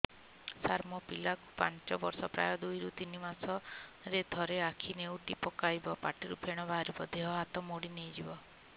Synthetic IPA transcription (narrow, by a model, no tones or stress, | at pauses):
saɾmɔpilaku̥paɲt͡ʃɔbɔɾsɔpɾa̰jɔd̪ujɾut̪inimasɔɾed̪ʱɔɾeakʰinewʈipɔkajbɔpaʈiɾupʰeɽ̃ɔbaɦaɾibɔd̪eɦɔɦat̪ɔmoɽinejd͡ʒibɔ